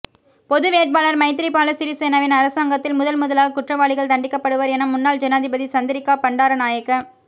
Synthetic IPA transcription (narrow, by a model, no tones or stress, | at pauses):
pɔðɯʋeːʈ̚baːlɐɾmɐɪt̪̬ːɪɾɪpːaːlɐsɪɾiseːnɐʋɪnɐɾɐsaːŋɡɐt̪ːɪlmʊðɐlmʊðɐlaːɣɐkʊʈrɐʋaːɭɪɣɐɭt̪ɐɳɖɪkːɐpːɐɽɯʋɐɾɛnɐmʊnːaːld͡ʒɐnaːðɪbɐðit͡ʃɐnd̪ɪɾɪkːaːpɐɳɖaːɾɐnaːjɐkːɐm